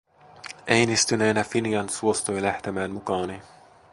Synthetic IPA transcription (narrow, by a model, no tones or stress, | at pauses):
ʔejnist̪yneːnæfinijɑnsuost̪ujlæht̪emæːnmukɑːni